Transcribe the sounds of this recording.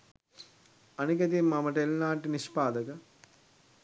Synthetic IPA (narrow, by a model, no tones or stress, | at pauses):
ɐnikɐt̪̬imːɐmɐʈelnaːʈiniʃpaːd̪ɐkɐ